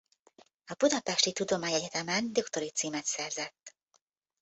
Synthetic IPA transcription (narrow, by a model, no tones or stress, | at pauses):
ɒbud̪ɒpɛʃt̪it̪ud̪o̞maːɲɛɟɛt̪ɛmɛnd̪okt̪o̞ɾit̪siːmɛt̪sɛrzɛt̪ː